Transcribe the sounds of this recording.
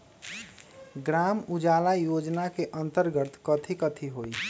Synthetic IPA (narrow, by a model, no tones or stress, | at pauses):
ɡɾamud͡ʒalajod͡ʒnakeʔənt̪əɾɡət̪kət̪ʰikət̪ʰiɦoi